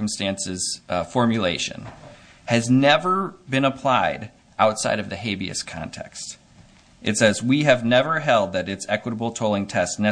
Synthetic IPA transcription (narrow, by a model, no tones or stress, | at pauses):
m̩stæ̃nsɨz̥fɔɹmjɨleɪʃɨ̰̃n | ɨznɛvə˞bɨ̃nəpʰl̥aɪɾ | ʔaʊtsa̰ɪɾʌvðɨheɪbiɨ̰skʰɑ̰̃ntʰɛ̰kst | ʔɨtsɛzwiɨvnɛvə˞ɦɛlˠd̪̚ðɨɾɨtsɛkwəɾəbl̩ˠtʰoʊlˠɪ̃ŋtʰɛstnɛ